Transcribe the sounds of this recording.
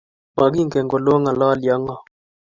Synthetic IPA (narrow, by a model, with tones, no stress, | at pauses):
ma˨ɡi˦ŋɡɛ˨ŋɡo˨lo˦ŋa˨lɔ˦˨lja˦ŋɔ˨